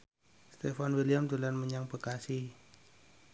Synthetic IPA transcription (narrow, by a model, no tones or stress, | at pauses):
st̪efanwiliamt̪ulanməɲaŋbəkasi